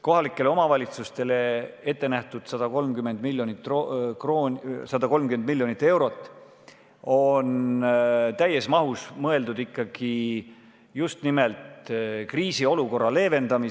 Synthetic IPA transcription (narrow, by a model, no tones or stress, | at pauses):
ko̞ɦɑlikːˑele̞o̞mɑvɑlʲit̪sust̪e̞le̞e̞t̪ˑːe̞næht̪ud̪̥sɑd̪̥ɑko̞lmkyme̞nd̪milːjonit̪ːrokroːsɑd̪̥ɑko̞lmkyme̞nd̪milːjo̞nit̪ːˑe̞wɾo̞t̪ːˑ | o̞n | t̪æjːesmɑɦusmɤe̞ld̪ud̪ikːɑɡ̥i | just̪nimelt̪kriːsio̞luko̞rːɑle̞ːve̞nd̪̥ɑmi